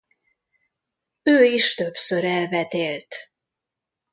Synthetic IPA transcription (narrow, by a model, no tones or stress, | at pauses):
øːiʃt̪ø̞psø̞ɾɛlvɛt̪eːlt̪